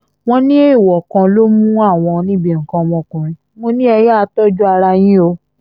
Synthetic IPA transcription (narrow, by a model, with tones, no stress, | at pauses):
w̃ɔ̃˦nĩ˦e˦i˨wɔ˨kã˧lo˦mũ˦a˦˨w̃ɔ̃˧nĩ˦bi˦˨ŋ̩˨kã˧mɔ̃˧kũ˨ɾ̃ĩ˧ | mõ˧nĩ˦ɛ˧jɛ˦a˧tɔ˦d͡ʒu˦a˧ɾa˧j̃ĩ˦o˧